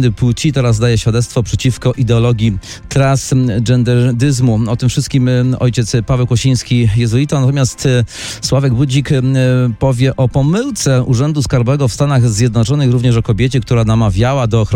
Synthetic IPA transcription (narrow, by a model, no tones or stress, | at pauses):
d̪ɘput͡ɕit̪ɛɾazːd̪ajɛɕfʲjad̪ɛt̪st̪fɔpʂɛt͡ɕifkɔʔid̪ɛɔlɔɡʲi | t̪ɾasɛnd̪ɛd̪ɘzmuɔt̪ɘmfʂɘst̪̚kʲimɔ̰jt͡ɕɛt̪spavɛwkɔɕij̃skʲijɛzuit̪anat̪̬ɔmjast̪ | swavɛɡbud͡ʑikpɔvʲjɛʔɔpɔmɘwt̪sɛuʐɛnd̪uskaɾbɔɛɡɔfst̪anaɣzʲjɛd̪nɔt͡ʂɔnɘxɾuvɲɛʂɔkɔbʲjet͡ɕɛkt̪uɾanamavʲjawad̪ɔːxɾ